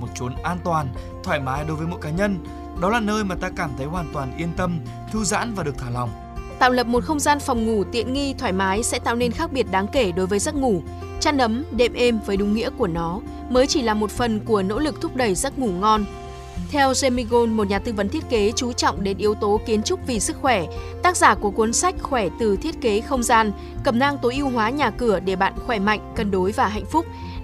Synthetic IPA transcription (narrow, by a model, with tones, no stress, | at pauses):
mo˨˩t̚t͡ɕu˨˦nʔaː˧nt̪waː˨˩n | t̪ʰwaː˧˩jmaː˨˦jɗo˨˦vəː˨˦jmo̰˧˥jkaː˨˦ɲə˧n | ɗɔ˨˦laː˨˩nəː˧jmaː˨˩t̪aː˧kaː˧˩mt̪ʰə˨˦jhwaː˨˩nt̪waː˨˩nʔi˧ənt̪ə˧m | t̪ʰɨ˧za̰ː˧˥nvaː˨˩ɗəkt̪ʰaː˧˩la˨˩wŋ͡m | t̪a̰ː˧˨wlə˨˩p̚mo˨˩t̚xə˧wŋ͡mzaː˧nfɔ˨˩wŋ͡mŋu˧˩t̪ḭ˧˨ənŋi˧t̪ʰwaː˧˩jmaː˨˦jsɛ̰˧˥t̪a̰ː˧˨wne˧nxaː˦˥k̚ɓi˧˩ət̚ɗaː˨˦ŋke˧˩ɗo˨˦jvəː˨˦jzə˦˥t̚ŋu˧˩ | t͡ɕa˦˧˥n̚ʔə˨˦mɗḛ˧˨mʔe˧mvəː˨˦jɗʊ˨˦ŋ͡mŋḭ˧˥əku˧˩ənɔ˨˦ | məː˨˦jt͡ɕi˧˩laː˨˩mo˨˩t̚fə˨˩nku˧˩əno̰˧˥lɨ˨˩k̚t̪ʰʊ˦˥k͡p̚ɗə˧˩jzə˦˥t̚ŋu˧˩ŋɔ˧n | t̪ʰɛ˧wze˧mi˧ɣo˧nmo˨˩t̚ɲaː˨˩t̪ɨ˧və˨˦nt̪ʰi˦˥ət̚ke˨˦t͡ɕu˨˦t͡ɕɔ̰˧˨wŋ͡mɗe˧˨˩nʔi˨˧əwt̪o˨˦ki˨˦ənt͡ɕʊ˦˥k͡p̚vi˨˩sɨ˦˥k̚xwɛ˧˩t̪aː˦˥k̚zaː˧˩ku˧˩əkwu˨˦nsa˦˥jk̟̚xwɛ˧˩t̪ɨ˨˩t̪ʰi˦˥ət̚ke˨˦xə˧wŋ͡mzaː˧n | kə˨˧˩mnaː˧ŋt̪o˨˦ʔi˧əwɦwaː˨˦ɲaː˨˩kɨ˧˩əɗe˧˩ɓa̰ː˧˨nxwɛ˧˩ma̰˧˨jŋ̟kə˨˩nɗo˨˦jvaː˨˩ɦa̰˧˨jŋ̟fʊ˦˥k͡p̚